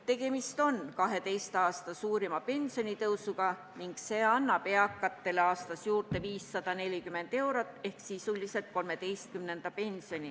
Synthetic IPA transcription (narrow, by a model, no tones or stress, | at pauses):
t̪e̞ɡ̥e̞mist̪o̞nkɑɦe̞t̪e̞jst̪ɑːst̪ɑsuːɾimɑpe̞nʲsjo̞nʲit̪ɤwsuɡɑ | niŋɡ̥se̞ːɑnːɑpe̞ɑkːˑɑt̪ːe̞leɑːst̪ɑsjuːrt̪e̞viːsːɑd̪̥ɑne̞lʲikymːe̞nd̪̥e̞wɾot̪ːˑe̞hksisulise̞lt̪̚ko̞lme̞t̪e̞jst̪̚kymne̞nd̪̥ɑpe̞nʲsio̞nʲi